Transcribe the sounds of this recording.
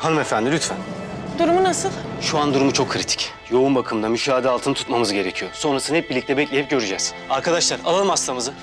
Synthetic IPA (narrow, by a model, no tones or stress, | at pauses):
hanɯmefænd̪ilʲyt̪fænd̪uɾumunasɯlˠʃuand̪uɾumut͡ʃʰo̞kʰːɾit̪ʰi̥c | jo̞unbakʰɯmd̪amyʃaːad̪ɛalˠt̪ʰɯnɯt̪ʰut̪mamɯzɟe̞ɾecʰijoso̞nɾasɯnhɛp̚biɾlʲic̚t̪ɛbɛclʲejip̚ɟø̞ɾyd͡ʒɛz̥ | aɾkʰad̪aʃlˠaɾalˠalˠɯmast̪ˠamɯzɯ